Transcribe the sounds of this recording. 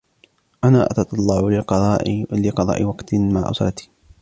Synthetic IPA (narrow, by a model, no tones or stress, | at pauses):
ʔanaːʔat̪ɑt̪ˤɑlˤːɑʕlɪqɑðˤɑːʔlɪqɑðˤɑ̰ːʔɪwɑqt̪maʕ̰ʔʊ̰sɾˤɑt̪i̥